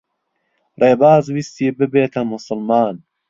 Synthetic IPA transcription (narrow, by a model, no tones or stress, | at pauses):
reːbaːzwist̪iːbɨbeːt̪ʰɐmʊsʊlmaːn